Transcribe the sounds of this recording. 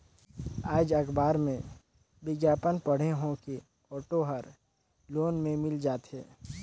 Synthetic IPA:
aːd͡ʒɐkbaːɾmẽ | bɪɡjaːpənpəɽ̤eɦõke | ɔːʈoɦəɾ | loːnmẽmɪld͡ʒaːt̪ɛ̰ː

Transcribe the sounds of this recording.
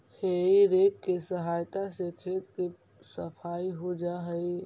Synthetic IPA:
heiɾekːesəɦaːjt̪asekʰeːt̪ke | səpʰaːiɦod͡ʒaɦəi

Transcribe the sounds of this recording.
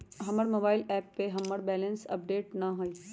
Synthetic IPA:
ɦɐməɾmoːbaːɪlɛːpːeɦɐmːəɾbɛːlə̃nsɐ̰p̚ɖeːʈnɐɦoiː

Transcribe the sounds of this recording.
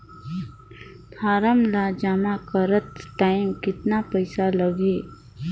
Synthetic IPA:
t̪ʰaːɾəmlad͡ʒamakəɾət̪ʈaːɪmkɪt̪napɐɪsaləɡeː

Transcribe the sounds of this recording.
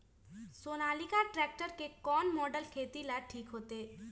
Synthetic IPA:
soːnaːlikaʈɾɛːk̚ʈəɾkekɔːnmɔːɖəlkʰeːt̪ilaʈʰiːkɦoːt̪eː

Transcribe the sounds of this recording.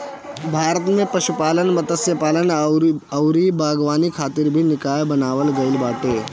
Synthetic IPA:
bʱaːɾət̪mẽpɐʃupaːlənmɐt̪əsjəpaːlənɐwɾibaːɡʋaːnikʰaːt̪ɪɾbʱinɪkaːjbɐnaːʋəlɡɐɪlbaːʈeː

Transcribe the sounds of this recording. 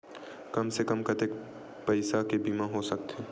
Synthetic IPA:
kɐmsekɐmkɐt̪eːk | pɐɪsakebiːmãɦosɐk̚t̪ɛː

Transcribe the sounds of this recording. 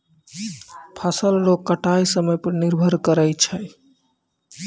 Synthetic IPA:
pʰasəllokːəʈajsəməjpəɾniɾbʱəɾkəɾəjt͡ʃʰə

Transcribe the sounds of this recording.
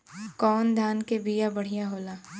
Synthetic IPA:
kɔːnd̪ʱaːnkebijabɐɽ̤ijaɦoːlaː

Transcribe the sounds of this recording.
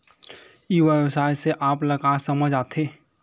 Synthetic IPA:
iwebsaːjseʔaːplɐɡasɐməd͡ʒaːt̪ʰeː

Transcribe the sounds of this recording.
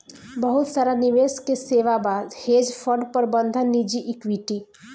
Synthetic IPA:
bəɦut̪saːɾaniʋeːskeseːʋabaːd̪heːd͡ʒpʰəɖpəɾbə̃nd̪ʱənːid͡ʒiʔɪkwiʈi

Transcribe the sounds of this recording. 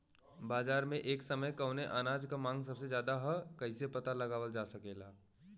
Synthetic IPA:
baːzaːɾmẽʔeːksəməjkəʊneʔaːnaːd͡ʒkamãːŋɡs̬ɐbsed͡ʒjaːd̪aɦəkɐisepɐt̪alɐɡaːʋəld͡ʒaːsɐkeːlaː

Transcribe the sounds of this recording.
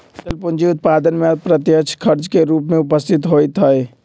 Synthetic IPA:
səlpʊnd͡ʒiʊt̪̚paːd̪ənmepɾət̪jəkt͡ʃʰkʰəɾt͡ʃkeɾuːpmẽʊpəst̪ʰɪt̪ɦoit̪ɦəe

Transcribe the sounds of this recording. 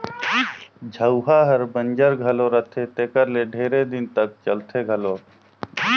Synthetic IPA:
d͡ʒʱəʊɦaɦəɾbə̃nd͡ʒəɾɡʱəloɾət̪ʰet̪eːkəɾleɖʱeːɾed̪ɪnt̪ək̚t͡ʃəlt̪ʰeɡʱəloː

